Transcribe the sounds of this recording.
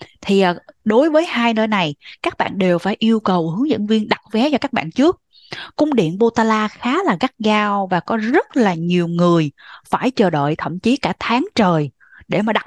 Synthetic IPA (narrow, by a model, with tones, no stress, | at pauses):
t̪ʰi˨˩ʔəː˨˩ɗo˨˦jvəː˨˦jhaː˧jnəː˧jna˨˩jkaː˦˥k̚ɓa̰ː˧˨nɗe˨˩wfaː˧˩jʔi˧əwkə˨˩whɨ˨˦əŋzɨ̰˧˨ŋvi˧ənɗa˨˩t̚vɛ˨˦t͡ɕɔ˧kaː˦˥k̚ɓa̰ː˧˨nt͡ɕɨ˦˥ək̚ | kʊ˧ŋ͡mɗḭ˧˨ənɓo˧t̪aː˧laː˧xaː˨˦laː˨˩ɣa˦˥k̚ɣaː˧wvaː˨˩kɔ˨˦zə˦˥t̚laː˨˩ɲi˨˩əwŋɨ˨˩əjfaː˧˩jt͡ɕəː˨˩ɗə̰˧˨jt̪ʰə̰˧˩mt͡ɕi˨˦kaː˧˩t̪ʰaː˨˦ŋt͡ɕəː˨˩j | ɗe˧˩maː˨˩ɗa˨˩